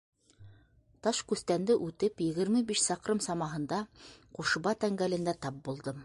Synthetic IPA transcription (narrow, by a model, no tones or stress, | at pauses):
t̪ɑʃkʉθt̪ænd̪ɘʔʉt̪ɘpjɘ̆ɣɘ̆ɾmɘbiʃsɑqɾɤmsɑmɑɦɤ̆nd̪ɑquʃŭβɑt̪æŋɡælɘ̆nd̪æt̪ɑp̚bulˠd̪ɤm